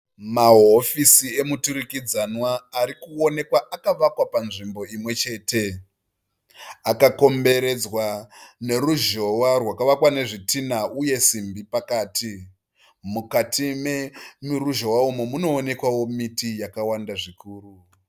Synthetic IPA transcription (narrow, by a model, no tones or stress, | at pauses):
maɦofisie̞mutuɾikid͡zanwaːɾikuone̞kwaʔakaʋakwapanʐimbo̞imwe̞t͡ʃe̞ːte̞ | akako̞mbe̞ɾe̞d͡zwane̞ruʒo̞warwakaʋakwane̞ʐitinauje̞simbipakaːti | mukatʰimemiruʒo̞waumomuno̞ːne̞kwawo̞mitijakawandaʐikuːru